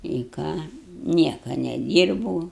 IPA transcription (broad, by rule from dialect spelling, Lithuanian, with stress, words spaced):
ɪ ˈkɑː ˈnʲiɛkɐ nʲɛˈdʲiːrboːʊ